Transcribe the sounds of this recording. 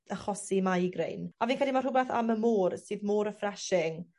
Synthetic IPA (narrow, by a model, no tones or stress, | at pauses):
əχɔsimajɡrḛjnaviːnkʰɛdlimarhʊbɛθa̰məmoːrsɨːðmoːɾəfrɛʃɪŋ